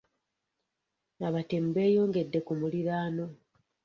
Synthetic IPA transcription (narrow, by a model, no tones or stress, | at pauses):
naβate̞mbe̞ːjo̞ːŋɡe̞dːe̞kumuliɾaːno̞